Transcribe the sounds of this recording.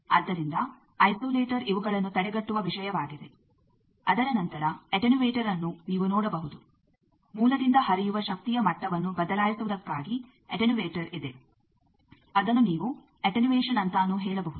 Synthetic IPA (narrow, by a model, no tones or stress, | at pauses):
ɐd̪ːɐɾind̪ɐ | ɐjsoːleːʈɐɾiʋuɡɐɭɐnːut̪ɐɽɛɡɐʈːuʋɐʋiʃɐjɐʋaːɡid̪e̞ | ɐd̪ɐɾɐnɐnt̪ɐɾɐeʈenuʋeːʈɐɾɐnːuniːʋunɔːɽɐbɐɦud̪u | muːlɐd̪ind̪ɐhɦɐɾijuʋɐʃɐk̚t̪ijɐmɐʈːɐʋɐnːubɐd̪ɐlaːjisuʋɐd̪ɐkːaːɡi | eʈenuʋeːʈɐɾid̪e̞ | ɐd̪ɐnːuniːʋu | eʈenuʋeːʂɐnɐnt̪aːnːuɦɛːɭɐbɐɦud̪u